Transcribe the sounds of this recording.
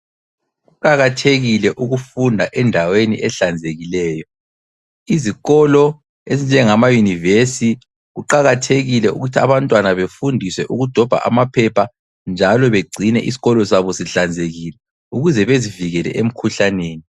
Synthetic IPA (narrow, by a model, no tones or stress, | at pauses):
ɣuǃʼaɣatʰeɣilɛʔuɣufundʱaʔɛndʱawenḭʔɛɬand͡zʱeɣilɛːjɔ | iziɣɔlɔ | ezind͡ʒʱɛŋamajunivesi | ɣuǃaɣatʰeɣilɛṵɣutʰiaβantʼwanaβefundʱiswɛʔuɣud̥ʱɔb̥ʱa̰ʔa̰mapʰɛpʰa | nd͡ʒʱalɔβeɡ͡ǀʱinɛ̰ʔisi̥ɣɔlɔsaβɔsiɬand͡zʱeɣilɛ | uɣuzɛβeziviɣɛlɛ̰ʔem̩kʰuɬaneːni